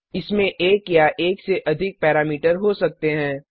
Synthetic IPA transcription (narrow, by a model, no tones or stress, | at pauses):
ɪsmẽʔeːkjaʔeːkseʔɐd̪ʱɪk̚pɛːɾaːmiːʈəɾɦosɐk̚t̪eɦɛ̃ː